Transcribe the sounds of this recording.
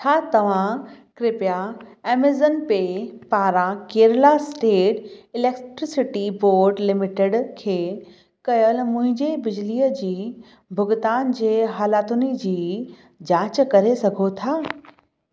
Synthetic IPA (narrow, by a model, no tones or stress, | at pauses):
t͡ɕʰaːt̪ɐʋ̤ãkɾɪpjaɛːmezənpepaːɾãkeːɾlasʈeːʈɪleːkʈɾɪsɪʈiboːɾɖlɪmɪʈɪɖkʰeː | kɐjəlmʊ̃ɦɪ̃ɲd͡ʑebɪd͡ʑliːəd͡ʑiː | bʱʊɡʊt̪aːnd͡ʑeːɦaːlaːt̪ʊnəd͡ʑiː | d͡ʑaːt͡ɕkɐɾesɐɡʱot̪ʰaː